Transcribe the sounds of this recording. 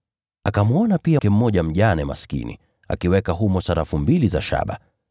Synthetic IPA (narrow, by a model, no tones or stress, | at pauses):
akamuɔnapiakɛm̩mɔʄam̩ʄanɛma̰skḭnḭ | a̰kiwɛkaɦumɔsaɾafumbiliza̰ʃa̰ɓa̰